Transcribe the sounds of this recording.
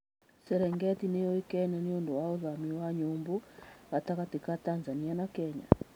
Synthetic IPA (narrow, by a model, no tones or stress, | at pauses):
sɛɾɛŋɡɛtinejɔikɛɲaniɔndɔwaɔðamiwaɲumbuhatakatikatanzanianakɛɲa̰